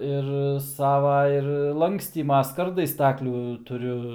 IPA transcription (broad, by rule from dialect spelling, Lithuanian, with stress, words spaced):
ɪr ˈsɑːʋɐ ɪr ˈlˠɐŋksʲtʲiːmɐ ˈskɐrdɐɪ ˈstɑːklʲuː tʊˈrʲʊ